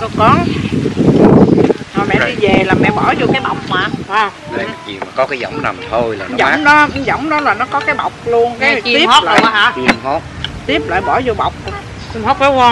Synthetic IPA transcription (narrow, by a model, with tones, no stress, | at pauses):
ko˧˦kɔ˨˦n | hɔː˨˩mɛ̰˧˨ɗi˧ve˨˩laː˨˩mɛ̰˧˨ɓɔ˧˩zo˧ka˨˦jɓa̰˨˩wk͡p̚maː˨˩a˧ | la̰ː˧˨jzḭ˨˩maː˨˩kɔ˨˦kaː˨˦jzɔ̰˧˩˨wŋ͡mna̰˨˩mt̪ʰo˧jlaː˨˩n˨˦˨zɔ˧˦wŋ͡mnɔ˨˦˨zɔ̰˧˩wŋ͡mɗɔ˨˦laː˨˩nɔ˨˦kɔ˨˦kaː˨˦jɓa˨˩wk͡p̚lu˧ən˨˦˨t̪i˦˥˦la̰˧˦˨i˧˩əmo˦˥t̚t̪i˦˥əp̚la̰ː˧˨jɓɔ˧˩zo˧jɓa˨˩wk͡p̚ | i˧˨˩ho˦˥k̚o˨˦a˧